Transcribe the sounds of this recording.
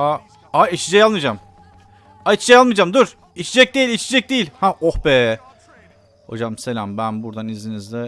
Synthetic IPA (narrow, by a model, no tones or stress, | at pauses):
a | ait͡ʃʰid͡ʒɛjalˠmɯd͡ʒam | ait͡ʃʰid͡ʒɛjalˠmɯd͡ʒamd̪uɾ̥ | it͡ʃʰid͡ʒɛc̚d̪eilʲit͡ʃʰed͡ʒɛc̚d̪ejilʲhaʔohbɛː | ho̞̰d͡ʒamse̞lʲambænbuɾd̪anizinizd̪ɛ